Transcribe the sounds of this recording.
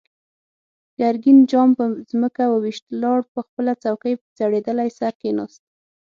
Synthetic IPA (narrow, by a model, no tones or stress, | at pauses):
jaɾɡind͡ʒɑmpəzməkawəwiʃt̪lɑɽpəxpəlat͡sawkəjpəzaɽed̪əlajsaɾkenɑst̪